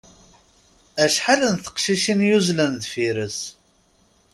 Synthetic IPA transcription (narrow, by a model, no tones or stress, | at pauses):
æʃħalənθə̥qʃiʃinjuzlænðfiɾəs